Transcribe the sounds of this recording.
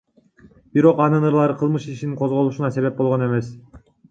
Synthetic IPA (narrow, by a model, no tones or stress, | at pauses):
b̥iɾo̞qɑnɯnɯɾlˠɑɾɯqʰɯlˠmɯʃiʃiniŋqʰozʁo̞lˠuʃunɑse̞βe̞p̚bo̞lˠʁo̞ne̞me̞s